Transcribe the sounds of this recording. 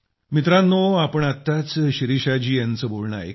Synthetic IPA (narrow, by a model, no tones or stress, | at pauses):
mit̪ɾãnːoapəɳat̪ːat͡sɕiɾiɕad͡ʑiːjant͡səːbolɳa̰jḛ